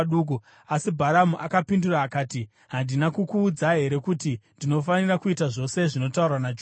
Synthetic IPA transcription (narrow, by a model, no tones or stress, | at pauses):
ɗuːk̬u | asibʱaɾamuʔakapinduraːkaːti | ɦandinakukuːd͡zaɦe̞ɾe̞kutindino̞fanirakuitaʐo̞se̞ʐino̞tauranad͡ʒo